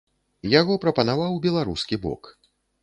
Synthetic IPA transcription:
jaɣɔpɾɐpɐnavawbʲɛlˠaɾuskʲibɔ̰k

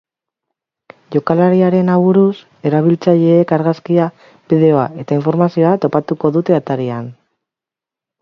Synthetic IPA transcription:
ʝo̞kalaɾiaɾe̞naβuɾus | e̞ɾaβ̞ilt͡saʎe̞ːkaɾɣaskia | bið̞e̞o̞ae̞t̪aiɱfo̞ɾmasio̞at̪o̞pat̪uko̞ðut̪e̞at̪aɾian

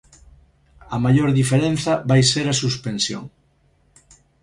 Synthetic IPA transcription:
ɐmaʎoɾðifeɾẽn̟θɐβajseɾɐsuspensjo̰ŋ

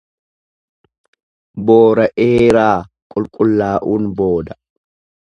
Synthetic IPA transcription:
boːɾɐʔeːɾaː | kʼʊlkʼʊlːaːʔuːnbo̞ːd̪ɐ

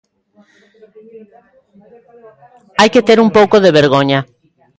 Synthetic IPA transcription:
ajket̪eɾumpowkoðeβeɾɣ̞oɲa

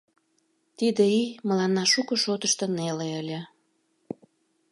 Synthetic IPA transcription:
t̪id̪eimə̆lɑnːɑʃukɤ̆ʃot̪əʃt̪ə̆neleəlʲĕ

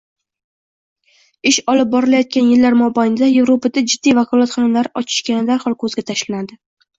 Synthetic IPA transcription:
ɪʃɒlɪp̚bɒɾɪlajɒt̪̚kʲanjɪlːaɾmɒbajnɪd̪aje̞vɾopad̪ad͡ʒɪd̪ːijvakʰɒlˠat̪χɒnʊmlaɾɪʔɒt͡ʃʰɪ̥ʃkʲanɪd̪aɾχɒlˠkʰɵzɡʲat̪ʰaʃlanad̪ɪ

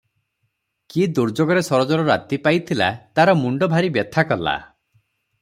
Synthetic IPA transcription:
kid̪uɾd͡ʒoɡɔɾesɔɾɔd͡ʒɔɾɔɾa̰t̪ipajt̪ʰila̰t̪aɾɔmuɳɖɔbʱaɾibjɔt̪ʰakɔla̰

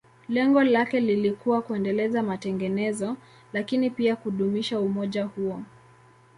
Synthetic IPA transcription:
lɛŋɡɔlakɛlilikuwakuɛndɛlɛzamatɛŋɡɛnɛzɔ | lakinipiakuɗumiʃaumɔʄahuɔ

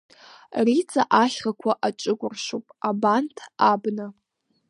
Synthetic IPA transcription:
rit͡sʼa̰ʔaʃʲχakʷʰaʔat͡ʃʷʼɨɡʷʼʊrʂʷupʼabantʰabnɨ

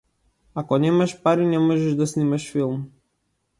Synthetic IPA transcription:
akɔnɛmaʃpaɾinɛmɔʒɛʒd̪asnimaʃfilˠm

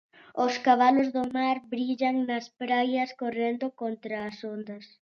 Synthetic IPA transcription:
ʊskaβalozðomaɾbɾiʎɐŋnɐspɾajɐskorend̪okont̪ɾɐːsond̪ɐs

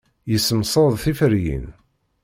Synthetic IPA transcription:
jəsːəmsˤəðˤθifəɾjḭn

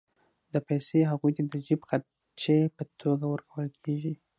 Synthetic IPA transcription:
d̪əpajseɦaɣujt̪ad̪əd͡ʒibxa | t͡ʃepət̪ʰoɡawəɾkʰawəlkʰeʒi

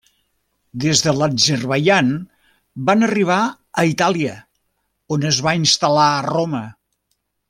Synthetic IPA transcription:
d̪ezðələzərβəʎan | banəriβ̞a | əit̪alˠiə | onəzβainst̪əlaəromə

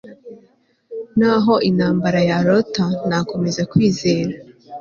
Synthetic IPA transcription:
naɦo̞ʔinhaːmbaɾajaɾotanako̞me̞zakwiːzeːɾa

